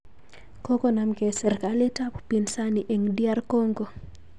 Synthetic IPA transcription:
ko˦ko˦na˦mke˨sɛ˨ɾka˨le˦ta˦ppi˨nsa˦ni˨ʔe˨ŋdja˦rko˦ŋɡo˨

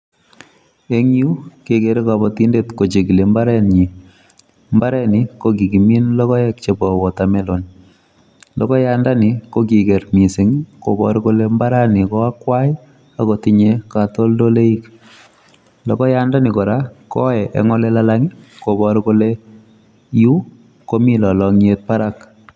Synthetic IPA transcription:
e˦ŋ˦u˦ke˨ke˨ɾi˦ka˨bɔ˨ti˦nde˦tko˨t͡ʃe˨ki˨le˨mba˦ɾɛ˦nɲi˨ | mba˦ɾɛ˦ni˨ko˦ki˨ki˨mi˦nlɔ˦kɔ˦jɛ˦kt͡ʃe˨bɔ˨kɔ˨tame˦lo˨n | lɔ˦kɔ˦ja˨nda˦ni˨ko˦k̬i˨kɛ˨ɾmi˨si˨ŋko˨bɔ̰˨˦ɾko˦le˦mba˦ɾa˦ni˨kɔ˦a˦kwa˦j | a˨ko˨ti˨ɲe˦ka˨to˦ldo˦le˦i˦k | lɔ˨kɔ˦ja˦nda˦ni˨ko˨ɾa˦kɔ˦ɛ˨ʔɛ̰˨ŋɔ˦le˦la˦laŋi˦ko˨bɔ˨ɾko˦le˦ | ju˦ | ko˦mi˦lɔ˨lɔ˨ŋ˦e˦t̚pa˦ɾa˦k

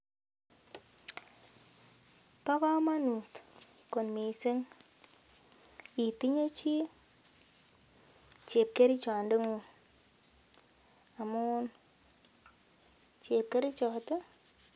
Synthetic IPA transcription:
pɔ˦kɔ˦ma˦nu˨tko˨nmi˨se˦ŋ | i˨pi˦ɲo˦t͡ʃi˦ | t͡ʃe˨p̚ke˦ɾi˦t͡ʃa˨nde˦ŋu˨n | a˨mu˦u˦n | t͡ʃe˨p̚ke˦ɾi˦t͡ʃɔ˨˦te˦

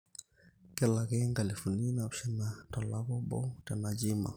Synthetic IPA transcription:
kɛlakɛŋɡa˨lifu˨ni˦napʃɛ˦natɔ˨la˦kɔ˦bɔ̰˦tɛ˨nad͡ʒi˦ma̰˨

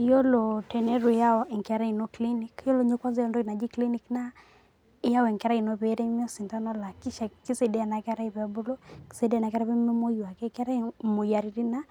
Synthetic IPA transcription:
jɔ˦lɔ˨tɛ˨nɛ˦ɾu˨ja˦ɔ˨ʔɛ˨ŋka˦ɾa˦i˨no˦kli˦ni˦kjɔ˦lɔ˨ɲo˦kwa˦nza˦jɔ˦ndɔ˦i˨na˨d͡ʒi˦kli˦ni˦kna˦ | ja˦ɔ˦ɛ˨ŋka˦ɾa˦i˨noβɛ˨ɾɛ˦mi˦ɔ˦si˨nta˦nɔ˦la˨ki˦ʃa˨ki˦se˨dɛ˦a˨na˨ka˦ɾa˦i˨pabu˦lɔ˦ki̥˨se˦dɛ˦a˦na˨kɾa˦βɛ˦m˦mɛ˦mo˦˨wa˨kɛ˦ka˦ɾa˦mo˨ja˨ɾi˦ɾi˦na˦

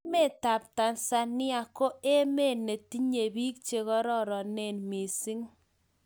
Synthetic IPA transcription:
me˦˨ta˨p̚ta˨nsa˦nɪ˦a˨ko˦e˦me˦˨ne˨ti˦ɲe˨bi˦kt͡ʃe˨kɔ˦ɾɔ˦ɾɔ˨ne˦˨nmi˨si˦ŋ

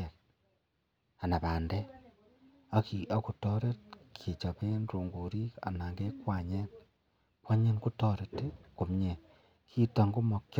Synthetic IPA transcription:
ek | a˨na˨βaː˨nde˦ | a˨ki˨a˦ku˨to˦ɾe˦t̚kʰi˨t͡ʃa˨βe˦nɾo˨ŋɡu˨ɾi˦a̰˨na˨ŋɡe˦kwa˨ɲe˦n | kwa˦ɲe˦nku˦to˨ɾe˨te˦ku˨mɲe˨ | kʰi˦ta˨ŋɡo˦mo˨k

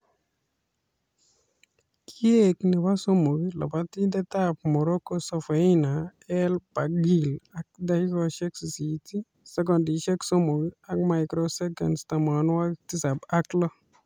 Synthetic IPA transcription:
kje˦kni˨pa˦so˦mo˨ɡi˦la̰˨pa˦t̪i˦d̪ɛ˦t̪ap̚mɔ˨ɾo˦ko˦sɔ˨fe˨i˦na˨ɛ˦lpa˨ɡi˨la˦k̚d̪aki˦kɔʃɛ˦ksi˨siti˦ | sɛ˦k̬ɔ˨ndiʃɛ˦kso˦mo˨ɡia˦k̚majkɾosɛ˦ɡɛ̰˨nst̪a˨ma˨nwa˦ti˦sa˨baklɔ˦

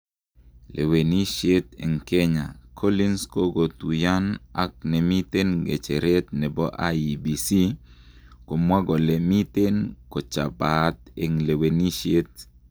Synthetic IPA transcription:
lʔḛ˨we˨ni˦ʃe˦t̪ḛ˨ŋke˦ɲa̰˨kʰo˦li˦nsko˦ɡo˨t̪u˨ja˦na̰˦k̚nɛ˨mi˦t̪e˦nɡḛ˨t͡ʃe˨ɾe˦t̪̚nɛ˨bɔ˦ʔa̰˦i˨bi˨si˦ | ko˨mwa˦ɡɔ˨le˨mi˦t̪e˦nkɔ˨t͡ʃa̰˨ba˨t̪̚e˨ŋle˨we˨ni˦ʃe˦t̪̚

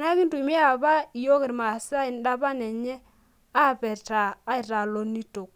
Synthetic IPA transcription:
na˦kɪ˦ntu˨m˦ɛ˦a˨βa˦i˨jo˦kɪ˨ɾma˨sa˦ɪ˨n˦da˦βa˦nɛ˨ɲɛ˦ | a˦˨pɛ˨taː˨˦ɪ˨ɾa˨lo˦ni˦to˨k̚

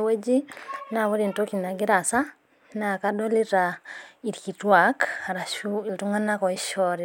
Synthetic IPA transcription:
we˦d͡ʒi˦na˨βo˦ɾi˨nto˦ki˨na˨ɡi˦ɾa˨sa˦ | na˨ka˦dɔ˦li˦ɾai˨ɾki˨twaka˨ɾa˨ʃui˨ltu˦ŋɡa˦na˦kɔ˨i˦ʃɔɾi

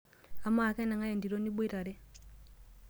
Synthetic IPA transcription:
a˨ma˨kɛ˦na˨ŋa˦je˨ndi˨ɾo˦ni˦ɓu˦i˦ɾa˨ɾɛ˦

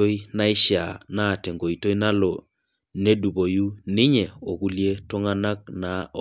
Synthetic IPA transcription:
o˦i˦na˦ɪ˦ʃja̰˨naː˦˨tɛ˨ŋɡo˨i˨to˦i˦na˦lɔ˨ | ne˦du˨bo˨ju˦nɪ˦ɲɛ˨o˨ku˦lje˦to˦ŋa˦na˦k̚na˨

